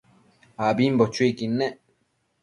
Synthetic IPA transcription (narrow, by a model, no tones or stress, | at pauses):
abimbot͡ʃuikinːe